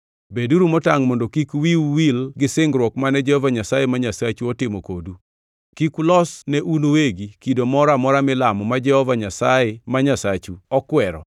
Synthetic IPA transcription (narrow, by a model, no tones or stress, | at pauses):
beduɾumɔtaŋmɔndokikwiwwilɡɪsɪŋɡɾwɔkmanɛd͡ʒɛhɔvaɲasajemaɲasat͡ʃuɔtɪmokodu | kikulɔsnɛʔunoweɡikidomɔɾamɔɾamɪlamɔmad͡ʒɛhɔvaɲasajɛmaɲasat͡ʃuɔkwɛɾɔ̰